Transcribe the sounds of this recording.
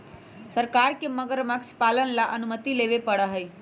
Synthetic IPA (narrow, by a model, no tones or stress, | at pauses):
səɾkaɾkeməɡəɾməkt͡ʃʰpalənlaʔənumət̪ilebepəɽəɦəj